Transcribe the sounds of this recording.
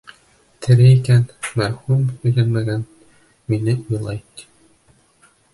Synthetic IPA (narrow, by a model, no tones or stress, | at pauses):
t̪ʰɘ̆ɾɘikænmæɾhumɵ̆lænmæɡæn | minɘujlˠɑjt̪